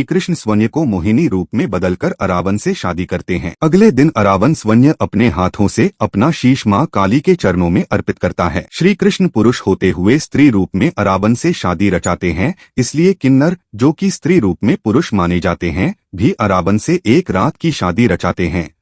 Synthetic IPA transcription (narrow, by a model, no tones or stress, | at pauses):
iːkɾɪʃnəsʋɐnjəkomoːɦɪniɾuːpmẽbɐd̪əlkɐɾɐɾaːʋənseʃaːd̪ikɐɾt̪eɦɛ̰̃ːɐɡled̪ɪnɐɾaːʋənsʋənjəʔɐpneɦaːt̪ʰõseɐpnaʃiːʃmaːkaːliket͡ʃɐɾnõmẽʔɐɾpɪt̪̚kɐɾt̪aɦɛ̰ːʃɾiːkɾɪʃnpʊɾʊʃhoːt̪eɦʊest̪ɾiːɾuːpmẽʔɐɾaːʋənseʃaːd̪iɾɐt͡ʃaːt̪eɦɛ̃ | ɪsliekɪnːəɾd͡ʒoːkist̪ɾiːɾuːpmẽpʊɾʊʃmaːned͡ʒaːt̪eɦɛ̃bʱiʔɐɾaːʋənseʔeːkɾaːt̪kiʃaːd̪iɾɐt͡ʃaːt̪eɦɛ̃ː